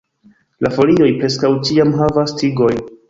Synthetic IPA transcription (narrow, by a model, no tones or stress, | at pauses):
lafo̞lio̞jpɾe̞skawt͡ʃiamɦavastiɡo̞j